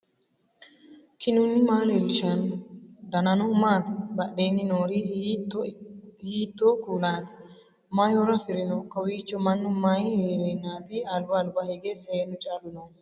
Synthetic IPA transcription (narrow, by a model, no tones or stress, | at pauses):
kʰɪnʊnɪmaːlelʃɐnd̪ɐnɐnɔmaːt̪ɪbɐɗːeːnːɪnoːɾitː | hiːt̪ːoːkuːlaːd̪ɪ | majɔɾɐfɪɾɪnɔkɐwiːt͡ʃːɔmɐnːʊmɐjheːɾenaːd̪ɪɐlbɐːlbɐhɛɡeːsɐjeːnːʊt͡ʃʼaːlʊnoːn